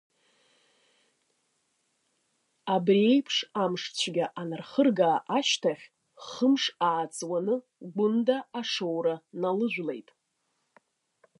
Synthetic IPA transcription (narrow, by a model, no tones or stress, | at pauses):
abre̞jpʰʂamʂt͡ɕʷʰɡʲaʔanɨrχərɡaːʔaʃtʰaχʲ | χəmʂaːt͡sʼwanɨ | ɡʷʊndaːʂowɾanalɨʒᶣʷlejtʼ